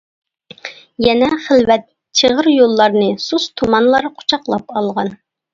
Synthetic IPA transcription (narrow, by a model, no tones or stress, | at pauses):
jɛnɛχəlvɛt̪ | t͡ʃʰəʁəɾjolˠːɑɾnɨsust̪ʰumɑnlˠɑɾqʰʊ̥t͡ʃʰɑqlˠɑpɑlˠʁɑn